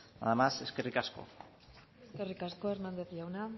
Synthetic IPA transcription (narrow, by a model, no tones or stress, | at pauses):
a̰ðamase̞skerikasko̞̰ | eske̞rikasko̞e̞ɾmand̪et̪iʝawna